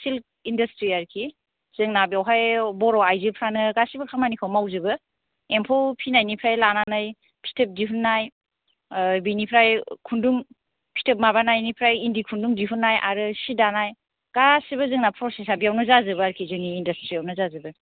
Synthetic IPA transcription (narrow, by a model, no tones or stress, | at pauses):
sil | indɐstɾiaɾkʰi | z̥ɯŋnabiawɦajbɔɾɔajzɯpʰɾanɯɡasibɯkʰamanikʰawmawzɯbɯ | empʰowpʰinajnipʰɾajlananaj | pʰi̥tʰep̚diɦunːaj | binipʰɾajkʰunduŋ | pʰi̥tʰep̚maβanajnipʰɾajindikʰunduŋdiɦunːajʔa̰ɾɯsidanaj | ɡ̥asibɯzɯŋnapʰɾɔsesabijawnɯzazɯbɯaɾkʰizɯŋiːndastɾiawnɯzazɯbɯ